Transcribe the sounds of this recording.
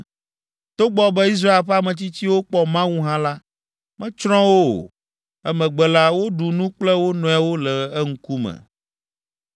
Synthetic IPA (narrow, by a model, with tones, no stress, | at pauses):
t̪o˦ɡ͡bɔ˨bɛ˦i˦s̬ɾa˦e˨lɸa˦mɛ̃˨t͡ɕi˦t͡ɕi˦wo˦k͡pɔ˦mã˦wu˦ɦã˦la˦ | mɛ̃˦t͡ʃɾɔ̃˦wo̰˦˨ | ɛ˦mɛ̃˨ɡ͡bɛ˨la˦wo˦ɖu˨nũ˦k͡plɛ˦wo˦nɔ̃˨a˨wo˦lɛ˨ɛ˦ŋ̩˦ku˦mɛ̰˨